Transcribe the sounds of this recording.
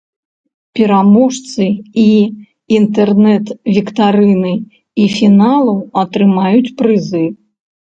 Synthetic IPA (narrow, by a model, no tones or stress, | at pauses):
pʲɛɾamɔʂt̪sɨi | int̪ɛrnɛt̪vʲikt̪aɾɨnɨ | ifʲinalˠɐwɐt̪ɾɨmajut͡sʲpɾɨzɨ